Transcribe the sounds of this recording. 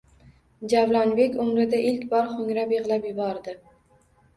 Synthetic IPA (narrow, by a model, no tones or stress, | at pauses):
d͡ʒavlˠɒnbe̞kʲʊmɾɪd̪aʔɪlkʲbɒɾχʊŋʲɾapjɨʁlapjʊbɒɾd̪ɪ